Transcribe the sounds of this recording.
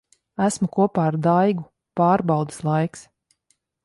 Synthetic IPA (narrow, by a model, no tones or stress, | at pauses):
æsmukuɔpaːɾd̪ajɡu | paːɾbɑwd̪ɨ̥slˠajks